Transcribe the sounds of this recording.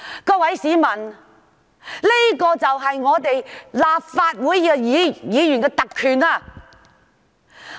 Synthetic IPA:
kɔː˧wɐ˨˥jsiː˨˥mɐ˨˩n | li˥kɔː˧t͡sɐ˨wɦɐ˨jŋɔː˨˧t̪e˨jlaː˨p̚faː˧t̚wuː˨˥jːɛː˧jiː˨˧jiː˨˧jyː˨˩nkɛː˧t̪ɐ˨kʰːyː˨naː˧

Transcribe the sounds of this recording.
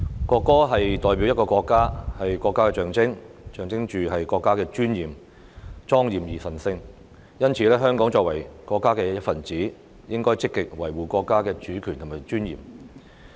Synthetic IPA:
kɔː˧kːɔː˥ɦɐ˨jt̪ɔː˨jpi˨˥wjɐ˥t̚kɔː˧kʷɔː˧kːaː˥hɐ˨jkʷɔː˧kːaː˥kɛː˧t͡ʃœː˨ŋt͡sɪ˥ŋt͡ʃœː˨˩ŋt͡sɪ˥ŋt͡ʃyː˨ɦɐ˨jkʷɔː˧kːaː˥kɛː˧t͡ʃyː˥njiː˨˩m | t͡ʃɔː˥ŋjiː˨mjiː˨˩sɐ˨˩nsɪ˧ŋ | jɐ˥nt͡sʰiː˨˧lɛː˥ɦœː˥ŋkɔː˨˥ŋt͡ʃɔː˧k̚wɐ˨˩jkɔː˧kːaː˥kɛː˧jɐ˥t̚fɐ˨nt͡siː˨˥ | jɪ˥ŋkɔː˥jt͡sɪ˥kːɪ˨k̚wɐ˨˩jwuː˨kʷɔː˧kːaː˥kɛː˧t͡ʃyː˨˥kʰyː˨nt̪ʰmaː˨˩jt͡ʃyː˥njḭː˨m

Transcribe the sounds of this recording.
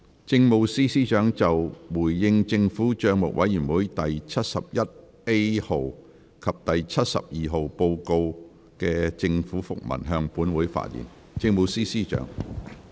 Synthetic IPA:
t͡sɪ˧ŋmo˨˧wsiː˥siː˥t͡ʃœː˨˥ŋt͡sɐ˨wwuː˨˩jːɪ˧ŋt͡sɪ˧ŋfuː˨˥t͡ʃœː˧ŋmʊ̰˨k̚wɐ˨˥jyː˨˩nwuː˨˥jt̪ɐ˨jt͡sʰɐ˥t̚sɐ˨p̚jɐ˥t̚ | e˥jho˨w | kʰɐ˨p̚t̪ɐ˨jt͡sʰɐ˥t̚sɐ̰˨p̚jiː˨ɦo˨wpo˧wko˧w | kɛː˧t͡sɪ˧ŋfuː˨˥fʊ˨k̚mɐ̰˨˩nɦœː˧ŋpuː˨˥nwuː˨˥jfa̰ː˧˥t̚jḭ˨˩n | t͡sɪ˧ŋmo˨˧wsiː˥siː˥t͡ʃœ̰ː˨˥ŋ

